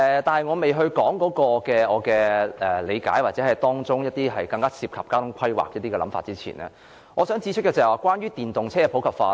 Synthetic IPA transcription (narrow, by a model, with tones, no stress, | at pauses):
ɛː˨t̪aː˨nhɐ˨jŋɔː˨˧me˨jɦɵ˧ɥkɔː˨˥ŋkɔː˨˥kɔː˧kɛː˧ɔː˨˧kɛː˧ɛ˨˩le˨˧jka̰ː˨˥jwaː˨t̚t͡sɛ˨˥hɐ˨jt̪ɔː˥ŋt͡sʊ˥ŋjɐ˥t̚t̪iː˥ɦɐ˨jkɐ˧ŋkaː˥siː˧p̚kʰɐ˨p̚kaː˥t̪ʊ˧˥ŋkʷʰɐ˥jwa̰ː˨k̚jɐ˥t̚t̪iː˥kɛː˨lɐ˨˧˥mfa̰ː˧t̚t͡siː˥t͡sʰḭː˨˩nɛ̰ː˥ | ŋɔː˨˧sœː˨˥ŋt͡siː˨˧t͡ʃʰtkɛ˧t͡sːwaː˨˩kwaː˥njyː˥t̪iː˨˩nt̪ʊ˨ŋt͡sʰɛː˥ɛ˧pʰo˨˥wkʰɐ˨pfaː˧